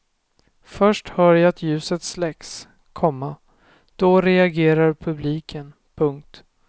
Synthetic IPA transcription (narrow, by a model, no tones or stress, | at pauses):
fœʂʈhœːɾjaat̪ʰjʉ̟ːsət̪slɛks | kʰɔmːa | d̪̥ɔɾɛaɡeːɾaɾpʰɵbliːkʰən | pʰɵŋk̚t̪